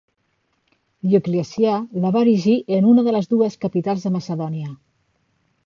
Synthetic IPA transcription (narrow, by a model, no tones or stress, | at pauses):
ʎukliəsjaləβaɾiʒiʔənunəðələzðuəskəpit̪alˠzðəməsəðɔniə